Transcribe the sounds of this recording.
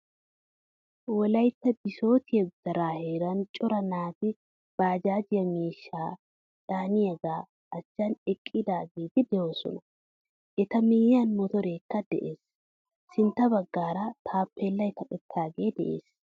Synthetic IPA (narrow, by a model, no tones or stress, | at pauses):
wɔlɐjt̪ːɐbɪso̞ːt̪ɪɛɡʊd̪ɐɾaːheːɾɐnt͡ʃʼʊɾɐnaːt̪ɪ | b̥aːd͡ʒaːd͡ʒɪɐmiːʃːaː | ᶑaːnɪɐɡaː | ɐt͡ʃːanɛkʼːɪd̪aːɡeːt̪ɪd̪ɛoːsɔ̰nɐ | ʔɛt̪ɐmiːjaːnmɔt̪ɔɾeːkːɐd̪ɛ̰ʔeːs | sɪnt̪ɐbɐɡːaːɾat̪ʰaːpːeːlːɐɪt̪ɐkʼɛt̪ʰːaːɡeːd̪ɛ̰ʔḛːs